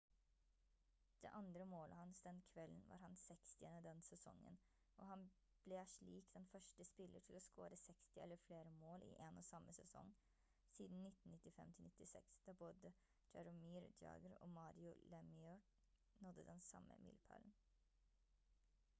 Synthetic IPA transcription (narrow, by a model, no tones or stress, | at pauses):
d̪̥ɛːʔɑnd̪ɾəmoːlʔə̰hɑnsd̪ɛnkʰʋɛlːənʋɑ̰ːɾhɑnsɛkst̪ʰɪənəd̪ɛnsɛsɔ̰ŋːə̰n | ʔɔːhɑn | b̥lɛʂɭiːkd̪̥ɛnfœʂʈəspɪlʔəʈʰɪlɔsko̰ːɾəsɛkst̪ɪɛlːəɾfleːɾəmoːlʔḭʔenoːsɑmːəsɛsɔ̰ŋː | siːd̪n̩nɪt̪ːn̩nɪt̪ːɪfɛ̰mt̪ʰɪlnɪt̪ːɪsɛ̰ksd̪̥ɑboːd̪ə | d͡ʒɛɾəmiːɾd͡ʒ̪ɑ̰ːɡəɾo̰ːmɑːɾɪʊlɛmɪɔ | nɔd̪ːəd̪ɛnsɑ̰mːʔə̰mɪ̰lpʰæ̰ln̩